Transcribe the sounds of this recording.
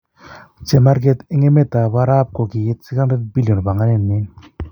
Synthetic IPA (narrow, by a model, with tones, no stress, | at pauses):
t͡ʃe˨ma˦ɾɡ̬et̪e˦ŋe˦me˦t̪a˨βa˦ɾa˦p̚ko˨ki˨je˦t̪̚si˦ka˦ndɾe˦d̪̚bi˦lijo˨nba˨ŋa˦ne˧nːi˦